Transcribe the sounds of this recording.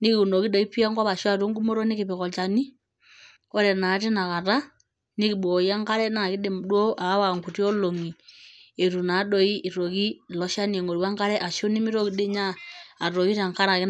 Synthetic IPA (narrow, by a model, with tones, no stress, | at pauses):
ni˦ki˨u˨no˨ki˦ɗɔ˨i˦pi˦a˦ŋɡa˦βa˨ʃɔ˦a˦˨tu˦ŋɡu˦mo˦ɾo˦ni˦ki˨pi˨kɔ˨t͡ʃa˨ni˦ | ɔ˦ɾɛ˨na˨˦ti˦na˨ka˨ta˦ | ni˦ki˨ɓo˨ja˦ŋka˦ɾɛ˦na˨ki˦ɗe˨mdwo˦ʔa˨˦wa˨ŋɡu˨ti˦ɔ˦lo˨ŋi˨e˨ɾu˨na˨˦ɗɔ˨i˦ʔi˨ɾo˨ki˦˨lɔ˦ʃa˦ni˨e˨ŋo˨ɾwa˦ŋka˦ɾɛ˦ʔa˨ʃu˦ni˦mi˦ɾo˦ki˨˦de˦ɲaː˦˨ɾo˨ɣi˦ɾa˨ŋka˦ɾa˨ki˦